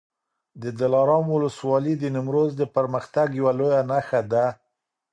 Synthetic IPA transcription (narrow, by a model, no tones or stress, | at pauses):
d̪əd̪ɪlɑɾɑmwʊləswɑlid̪ənɪmɾozd̪əpəɾməxt̪aɡjawalojanaxad̪a